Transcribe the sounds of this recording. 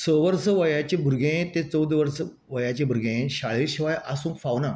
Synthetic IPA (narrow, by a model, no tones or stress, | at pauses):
səʋəɾsəʋəjat͡ɕẽbʱuɾɡẽt̪ẽt͡səwd̪ʱʋəɾsə | ʋəjat͡ɕebʱuɾɡẽẽɕaɭiɾɕiʋajʔasũːŋkfawna